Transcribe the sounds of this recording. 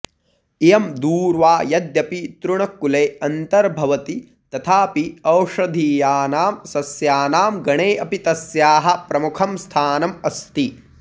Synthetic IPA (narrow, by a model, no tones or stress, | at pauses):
ijɐmd̪uːɾʋaːjɐd̪jɐpit̪ɾuɳɐkːuleːɐnt̪ɐɾbʱɐʋɐt̪i | t̪ɐt̪ʰaːpiɐwʂɐd̪ʱiːjaːnaːmsɐsjaːnaːmɡɐɳeːʔɐpit̪ɐsjaːɦɐ̆pɾɐmukʰɐmst̪ʰaːnɐmɐst̪i